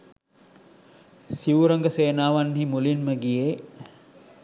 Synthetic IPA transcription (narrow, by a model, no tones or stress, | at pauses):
siuɾəŋɡəseːnaːʋanɦimulinməɡije